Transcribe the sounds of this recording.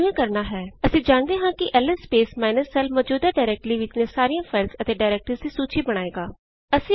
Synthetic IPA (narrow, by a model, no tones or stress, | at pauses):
ẽːkəɾnaːɦɛːəsĩːd͡ʒaːnd̪eːɦãːkɪʔɛləspeːsmaːɪnəsːɛːlmɔːd͡ʒuːd̪aːɖaɪɾɛːk̚ʈliːʋɪt͡ʃnẽːsaːɾijãːfʰaːɪlsət̪eːɖaːɪɾɛːk̚ʈəɾzd̪iːsuːt͡ʃʰiːbəɽ̃aːeːɡaː | əsĩː